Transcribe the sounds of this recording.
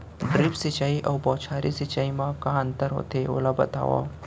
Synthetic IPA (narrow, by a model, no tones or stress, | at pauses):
ɖɾipsit͡ɕaiʔawbɔt͡ɕʰaɾisit͡ɕaimãkãant̪əɾɦo̰t̪eo̰labət̪a̰ʋa̰